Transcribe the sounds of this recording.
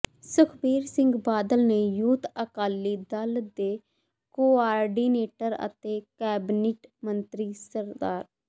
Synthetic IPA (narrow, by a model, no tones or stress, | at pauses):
sʊkʰbiːɾsɪ̃ŋɡbaːd̪əlneːjuːt̪əkaːlːiːd̪əld̪eː | koːaːɾɖiːneːʈəɾə̰t̪eːkɛːbnɪʈmənt̪ɾiːsəɾd̪aːɾ